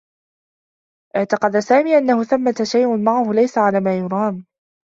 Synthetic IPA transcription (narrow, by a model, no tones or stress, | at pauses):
ʔɪʕt̪ɑqɑd̪asaːmiːʔanːahʊθamːat̪aʃajʔʊnmaʕahʊlajsaʕalaːmaːjʊɾˤɑːm